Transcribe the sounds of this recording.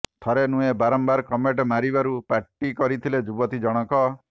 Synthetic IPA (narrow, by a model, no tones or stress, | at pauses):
t̪ʰɔɾenuebaɾɔmbaɾkɔmeʈmaɾibaɾupaʈːikɔɾit̪ʰiled͡ʒubɔt̪id͡ʒɔɽ̃ɔkɔ